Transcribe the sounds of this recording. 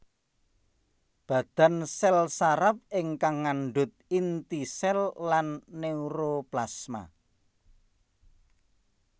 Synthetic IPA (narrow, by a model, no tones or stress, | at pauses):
b̥ä̤d̪̥a̤nsɛlsaɾap̚ɪŋkaŋːaɳɖʊt̪̚int̪isɛlːanːeuɾoplasma̰